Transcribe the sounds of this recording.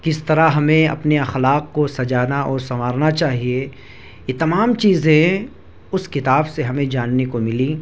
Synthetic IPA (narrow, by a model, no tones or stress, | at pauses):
kɪst̪ɐɾaɦɐmẽɐ̰pneɐxlaːqkosɐd͡ʒaːnaʔɔːɾsɐmaːɾnat͡ʃaːɦie | jet̪ɐmaːmt͡ʃiːzẽ | ʊskɪt̪aːbseɦɐmẽd͡ʒaːnːekomɪli